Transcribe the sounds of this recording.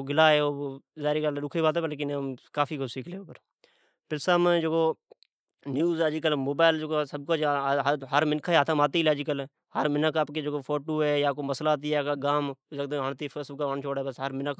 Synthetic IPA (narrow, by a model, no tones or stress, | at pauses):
ɡɪlaːɦeːoːzaːɾiːɡəlɾʊkʰiːbaːt̪eːbəlːk̬ɪnekaːfʰiːkosiːkʰleːoːpəɾ | pɪlsəmd͡ʒoɡoː | njuːzaːd͡ʒɪkəlmoːbaːɪld͡ʒoɡosəb̚kaːd͡ʒɦɦəɾmɪnkʰaeːət̪ʰəmaːt̪iːlaːd͡ʒɪkəl | həɾmɪnəkəpkeːd͡ʒɡoːpʰoːʈoːɦɛːjaːkoːməslaːt̪̬iːɛːkaːɡaːmd͡ʒəɡd̪ɦəɳt̪iːpʰəsəbkaənt͡ʃʰoːɽeːbəsɦəɾmɪnək